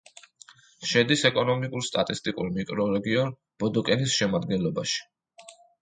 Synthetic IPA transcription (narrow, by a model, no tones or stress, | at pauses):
ʃɛd̪isɛkʼɔnɔmikʼuɾst̪ʼat̪ʼist̪ʼikʼṵɾmikʼɾɔɾɛɡiɔn | b̥ɔd̪ɔkʼɛnisʃɛmad̪̚ɡɛnlˠɔbaʃi̥